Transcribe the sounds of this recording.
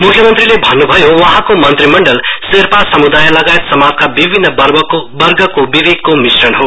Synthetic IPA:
mukʰjʌmʌnt̪rilebʱʌnːubʱʌjowʌɦãkomʌnt̪rimʌɳɖʌlserpasʌmud̪ajlʌɡajet̪sʌmad͡zkabibʱinːʌʌrʌbʌrɡʌkobibeɡ̚komisrʌnɦo

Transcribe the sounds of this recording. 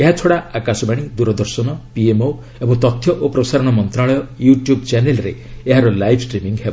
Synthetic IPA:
eɦat͡ʃʰoɽaakasɔbaɽ̃id̪uɾɔd̪ɔɾsɔnɔpiemo | ebɔŋt̪ɔt̪ʰːjɔʔopɾɔsaɾɔɽ̃ɔmɔnt̪ɾaɭɔjɔjuʈjubt͡ʃanelɔɾḛeɦaɾɔlajbʰʱsʈɾimiŋɡɦeb

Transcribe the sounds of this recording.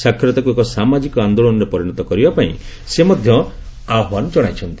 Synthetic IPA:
sakʰːɾet̪ɔkuekɔsamad͡ʒikɔand̪oɭɔnɔɾepɔɾiɽ̃ɔt̪ɔkɔɾibapaĩ | semɔd̪ʱjɔaɦwanɔd͡ʒɔɽ̃ajt͡ʃʰɔnt̪i

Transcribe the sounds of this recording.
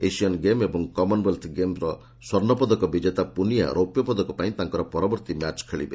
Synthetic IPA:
esiɔnɡemebɔŋkɔmɔnbelt̪ʰɡemɾɔ | swɔɾnɔpɔd̪ɔkɔbid͡ʒet̪apunija̰ɾopjɔpɔd̪ɔkɔpaĩt̪aŋkɔɾɔpɔɾɔbɔɾt̪imjat͡ʃkʰeɭḭbe

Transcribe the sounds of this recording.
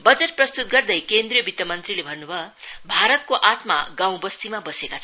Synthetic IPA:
bʌd͡zʌʈ̚prʌst̪ut̪̚ɡʌrd̪ʌjkend̪rijʌbit̪jʌmʌnt̪rilebʱʌnːubʱʌbʱaɾʌt̪̚koʔat̪ma̰ɡãw̃bʌst̪imabʌsekat͡sʰ

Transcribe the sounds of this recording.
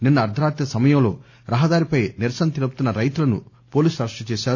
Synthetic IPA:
ninːɐɐɾd̪ʱɐɾaːt̪jɐsɐmɐjɐmlo̞̰ː | ɾɐɦɐd̪aːɾipɐjniɾsɐnɐt̪elupu̥t̪unːɐɾɐjt̪ulɐnṵ | poːliːsɐɾɐʂʈɐt͡ʃɛːʃaːɾ

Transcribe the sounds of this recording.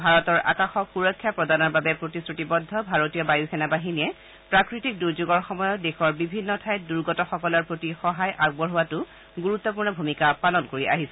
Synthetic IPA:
bʱaɹɔtɔɹʔa̰kaxɔkxuɹɔkʰːjapɹɔdanɔɹbabɛpɹotisɹutibɔdʱːɔbʱaɹotijɔbajuxʰɛnabaɦiniɛ | pɹakɹitik̚duɹzuɡɔɹxɔmɔjɔdexɔɹbibʱinːɔtʰajduɹɡɔtɔxɔkɔlɔɹpɹotixɔɦajʔaɡ̚bɔɹɦuwatʊ | ɡuɹut̪ːɔpuɹnɔbʱumikapalɔnkoɹiʔa̰ɦisɛ

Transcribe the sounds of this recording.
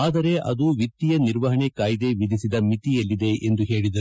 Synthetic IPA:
aːd̪ɐɾe̞ʔɐd̪uʋit̪ːijɐniɾʋɐɦɐɳekaːjid̪e̞ʋid̪ʱisid̪ɐmit̪ijɐlːid̪e̞ʔend̪uɦe̞ːɭid̪ɐ

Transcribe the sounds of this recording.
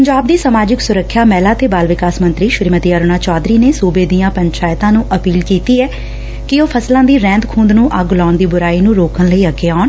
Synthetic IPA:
pəɲd͡ʒaːb̚d̪iːsəmaːd͡ʒɪksʊɾəkʰːjaːmɛːlaːt̪eːbaːlʋɪkaːsmənt̪ɾiːʃɾiːmət̪iːəɾoːnaːt͡ʃaːd̪ɾiːneːsuːbeːd̪ijãːpəɲt͡ʃaːɪt̪ãːnũːʔəpiːlkiːt̪iːɛː | kɪoːpʰəslãːd̪iːɾɛ̃ːnd̪kʰũːnd̪nũːʔəɡlaːʊnd̪iːbʊɾaːiːnũːɾoːkənləiːəɡeːaːn

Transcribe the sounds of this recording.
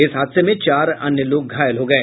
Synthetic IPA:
ɪsɦaːd̪semẽt͡ʃaːɾɐ̰njəloːk̚ɡʱaːjəlɦoːɡɐeː

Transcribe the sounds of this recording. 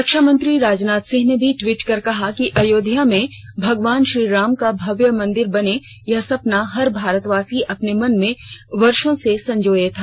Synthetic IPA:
ɾɐkʃəmɐ̃nt̪ɾiɾaːd͡ʒnaːt̪sɪ̃ɦnebʱiʈʋiːʈkɐɾkɐɦakiʔɐjoːd̪ʱijamẽ | bʱɐɡʋaːnʃɾiːɾaːmkabʱɐʋjəmɐ̃nd̪ɪɾbɐne | jɐɦsɐpnaɦɐɾbʱaːɾət̪ʋaːsiʔɐpnemɐnmẽʋɐɾʃõsesɐ̃ɲd͡ʒoːjet̪ʰaː

